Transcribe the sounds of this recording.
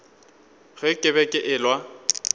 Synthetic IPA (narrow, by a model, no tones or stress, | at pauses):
ɣɪkʼɪbɛkʼɪʔɪlwa